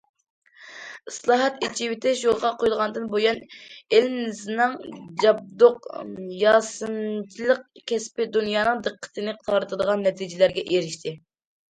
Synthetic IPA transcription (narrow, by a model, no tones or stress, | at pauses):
ɨslˠɑːɦɑt̪it͡ʃiwɪt̪ʰɛʃjolˠʁɑqʰojulˠʁɑnd̪ɨnbojɑnɪlmznɨŋd͡ʒɑb̚d̪oqjɑːsɨnt͡ʃʰilˠəq̚kʲʰɛspɪd̪unjɑːnɨŋd̪ɨqʰːə̥t̪ʰɨnɨqt̪ʰɑɾɨt̪ʰɨd̪əʁɑnːɛt̪ʰid͡ʒɪlæɾɡʲɛʔeɾɪʃt̪ʰɪ